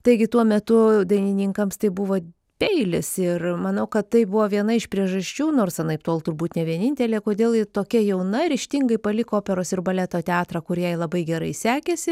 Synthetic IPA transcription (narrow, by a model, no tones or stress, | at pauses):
t̪ɐɪɡʲɪt̪uɔmʲɛt̪ʊd̪ɐɪnʲɪnʲɪŋkɐmst̪ɐɪbʊʋoː | pʲɛɪlʲɪsɪrmɐnɐʊkɐt̪t̪ɐɪbʊʋoːʋʲiɛnɐɪʃpʲɾʲiɛʒɐsʲt͡ʃʲuːnoːrsɐnɐɪpt̪oːlˠt̪ʊrbuːt̪nʲɛʋʲiɛnʲɪnʲt̪ʲɛlʲeːkoːd̪ʲeːlˠɪt̪oːkʲɛjɛʊnɐɾʲɪʃʲt̪ʲɪŋɡɐɪpɐlʲɪkoːpʲɛɾoːsɪrbɐlʲæt̪oːt̪ʲɛɑːt̪ɾɑkʊɾjɛɪlˠɐbɐɪɡʲɛɾɐɪsʲæːkʲɛsʲɪ